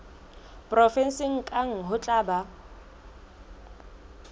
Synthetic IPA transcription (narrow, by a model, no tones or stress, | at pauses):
pʼrɔfɛn̩sɪŋ̩kʼaŋ̩ɦʊt͡ɬʼaːba